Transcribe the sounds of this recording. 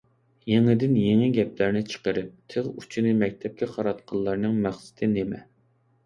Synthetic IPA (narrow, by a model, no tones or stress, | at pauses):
jeŋɪd̪ɪnjeŋɛɡʲɛplæɾnɪt͡ʃʰə̥qəɾɨp̚t̪ʰɨʁut͡ʃʰinɨmɛk̚ʲt̪ʰɛp̚kʲɛqʰɑɾɑt̪qʰɑlˠːɑɾnɨŋmæχsɪ̥t̪ʰɪnemɛ̰